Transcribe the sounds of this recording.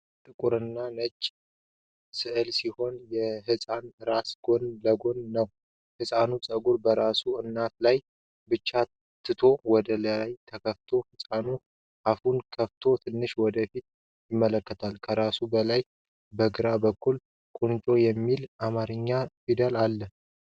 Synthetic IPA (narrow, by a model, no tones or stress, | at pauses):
t̪ʼɨkʼuɾɨnːanəd͡ʒʼː | sɨʔɨlsiho̞njɛɦɨsʼanɾasɡ̥o̞nləɡo̞nːəw | hɨsʼanusʼəɡuɾbəɾasuɨnːat̪̚laj | bɨt͡ʃːa | t̪ʰːɨt̪ʰo̞wɔd̪əlajt̪ʰəkʰəft̪ʰo̞hɨsʼanu | ʔafunkʰəft̪ʰo̞t̪ʰɨnːɨʃwɔd̪əfit̪̚ | jɪmːələkːət̪ʰalkʰəɾasubəlaj | bəɡɨɾabəkːul | kʼunt͡ʃʼo̞jɛmːilamaɾɨɲːafid̪əlalːə